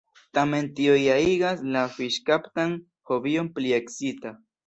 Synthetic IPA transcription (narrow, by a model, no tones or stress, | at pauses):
tame̞nt̪iojaiɡaslafiʃkapt̪an | hoβio̞mplieksit̪a